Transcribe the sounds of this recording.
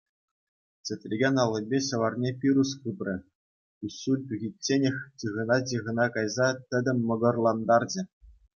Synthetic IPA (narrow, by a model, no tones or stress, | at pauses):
t͡sʲɘ̆t̪ʲrʲiɡʲenʲɑlˠːɤ̆bʲeɕɤ̆ʋɑrnʲepʲiɾuskɯprʲɘ̆ | usːulʲpʲyɣʲitʲːenʲɘ̆xʲt͡ɕɯʁɤ̆nɑt͡ɕ̬iʁɤ̆nɑkɑjzɑt̪ʲɘ̆dʲɘ̆mʲːɤ̆ɡɤ̆rlˠɑnd̪ɑrd͡ʑɘ̆